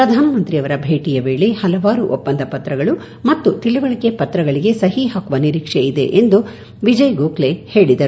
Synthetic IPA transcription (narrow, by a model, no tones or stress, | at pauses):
pɾɐd̪ʱaːnɐmɐnt̪ɾiɐʋɐɾɐbʱe̞ːʈijɐʋe̞ːɭe̞hɐlɐʋaːɾuʔopːɐnd̪ɐpɐt̪ɾɐɡɐɭu | mɐt̪ːut̪iɭiʋɐɭɐkepɐt̪ɾɐɡɐɭiɡe̞sɐɦiɦaːkuʋɐniɾiːkʂeid̪e̞̰ʔend̪u | ʋid͡ʒɐjɡoːkle̞he̞ːɭid̪ɐɾu